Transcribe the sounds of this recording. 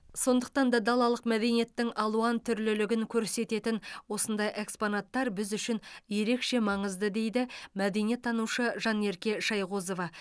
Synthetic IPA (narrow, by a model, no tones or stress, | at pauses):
so̞nd̪əq̚t̪ɑnd̪ɑd̪ɑlˠɑlˠəqmæd̪e̞nije̞t̪ːɪŋʔɑlˠuɑnt̪ʰʏɾlɪlɪɡʲɪŋkʲʰɵɾse̞t̪e̞t̪ɪnwo̞sənd̪ɑjʔe̞ksponɑt̪ːɑɾbɪzʏʃɪnje̞ɾe̞kʃe̞mɑɴəzd̪əd̪e̞jd̪ɪmæd̪e̞nije̞t̪ʰːɑnuʃəʒɑne̞ɾkʲe̞ʃɑjʁozo̞vɑ